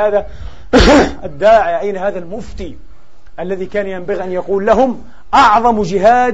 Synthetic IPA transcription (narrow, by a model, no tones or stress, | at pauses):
aːða | d̪ːaːʕɪjaʔajnahaːðalmʊft̪iː | ʔalːaðikaːnjambaɣiʔanjɑquːlːaɦʊm | ʔɑʕðˤɑmd͡ʒɪɦaː